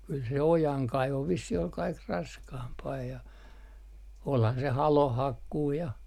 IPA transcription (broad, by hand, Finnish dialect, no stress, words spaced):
kyl se ojɑŋkɑiʋo ʋisːih ol kɑik rɑskɑːmpɑː jɑ olhɑn se hɑlohˑɑkːuː jɑ